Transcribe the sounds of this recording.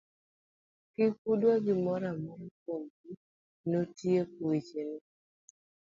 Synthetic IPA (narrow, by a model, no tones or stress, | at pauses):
kɪkudwaɡɪmɔɾamɔɾɔkoŋɡu | notiekowit͡ʃene